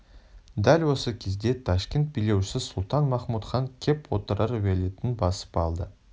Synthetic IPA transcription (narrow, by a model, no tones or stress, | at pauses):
d̪ælʲwo̞səkʲʰezd̪e̞t̪ʰɑʃkʲe̞nt̪̚bile̞wʃɪsɪsʊlˠt̪ɑnmɑχmut̪χɑŋkʲʰe̞pwo̞̰t̪əɾɑɾvelet̪ɪnbɑsə̥pɑlˠd̪ə